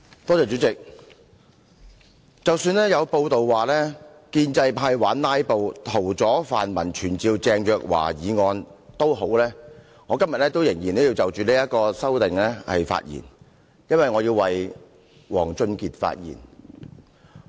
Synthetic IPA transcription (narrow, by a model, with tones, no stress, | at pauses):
t̪ɔː˥t͡sɛː˨t͡ʃyː˨˥t͡sɪ˨k̚ | t͡sɐ˨wsyː˧nlɛː˥jɐ˨˧wpo˧wt̪o˨wwaː˨˩lɛː˥ | kiː˧nt͡sɐ˧jpʰaː˧jwaː˨˥nlaː˥jpo˧wt̪ʰo˨˩wt͡sɔː˨˥faː˨nmɐ̰˨˩nt͡ʃʰyː˨˩nt͡siː˧wt͡sɛː˧ŋjœː˨k̚wa̰ː˨˩jiː˨˧ŋɔː˧nt̪o˥wɦo˨˥wlɛː˥ | ŋɔː˨˧kɐ˥mjɐ˨t̚lɛː˥t̪o˥wjɪ˨˩ŋjiː˨˩nt̪o˥wji˧wt͡sɐ˨wt͡ʃyː˨˩liː˥jɐ˥t̚kɔː˧sɐ˥wt̪ɪ˨ŋlɛː˥hɐ̰˨jfa̰ː˧t̚jḭː˨˩n | jɐ˥nwɐ˨jŋɔː˨˧jiː˧wwɐ˨j | wɔ̰ː˨˩ŋt͡ʃɵ˧nkiː˨t̚fa̰ː˧t̚jḭː˨˩n